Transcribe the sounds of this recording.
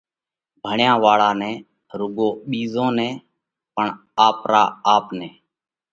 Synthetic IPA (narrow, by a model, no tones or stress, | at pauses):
bʱəɳjãːʋaːɭaːnɛ̃ː | ɾʊɡõːɓiːzõːnɛ̃ː | pəɳ | aːpɾa̰ːaːpnɛ̃ː